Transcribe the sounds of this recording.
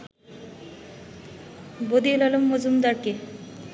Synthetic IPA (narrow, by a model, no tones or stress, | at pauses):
bod̪ielɔlomːod͡ʑumd̪aɾke